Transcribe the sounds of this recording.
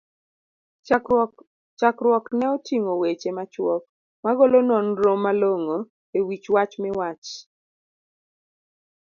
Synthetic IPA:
t͡ʃakɾwɔknɛɔtiŋowet͡ʃemat͡ʃwɔk̚ | maɡolonɔnɾomaloŋo | ewit͡ʃwat͡ʃmɪwat͡ʃ

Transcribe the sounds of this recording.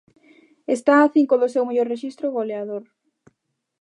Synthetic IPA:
est̪aːθiŋkoðʊsewmeʎoɾreʃist̪ɾoɣoleaðoɾ

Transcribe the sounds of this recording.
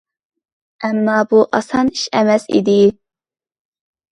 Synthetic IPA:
ɛmːɑbuʔɑsɑniʃɛmɛsḭd̪ɪ

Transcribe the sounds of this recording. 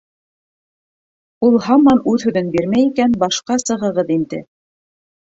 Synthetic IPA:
ulˠɦɑmɑnʉðhɵ̆ðɵnbiɾmæjikænbɑʃqɑsɤ̆ʁɤ̆ʁɤðind̪ɘ̰

